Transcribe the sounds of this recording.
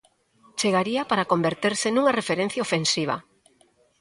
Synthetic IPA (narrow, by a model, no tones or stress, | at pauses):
t͡ʃeɣaɾiapaɾakombeɾt̪eɾsɪnũŋarefeɾen̟θjaofensiβ̞ɐ̰